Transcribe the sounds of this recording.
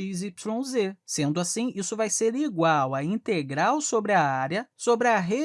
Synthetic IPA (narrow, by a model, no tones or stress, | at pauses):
izipslõzesẽnd̪ʊasĩisʊvajseɾiɡwawɐĩnt̪eɡɾawsobɾɪɐaɾjɐsobɾɪɐɦe